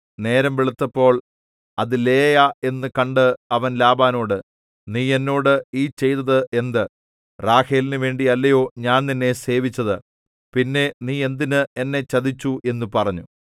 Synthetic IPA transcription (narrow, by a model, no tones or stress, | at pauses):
ne̞ːɾɐmʋiɭut̪ːɐpːo̞ːɭ | ɐðɨle̞ːjae̞nːɨkɐɳɖɨɐʋɐnlaːbaːno̞ːɽɨ | niːe̞nːo̞ːɽɨiːt͡ɕe̞jt̪ɐðɨʔe̞nd̪ɨ | raːheːlinɨʋe̞ːɳɖiɐlːɐjo̞ːɲaːnninːe̞se̞ːʋit͡ɕːɐðɨ | pinːe̞niːe̞nd̪inɨe̞nːe̞t͡ɕɐd̪it͡ɕːuʔe̞nːupɐrɐɲːu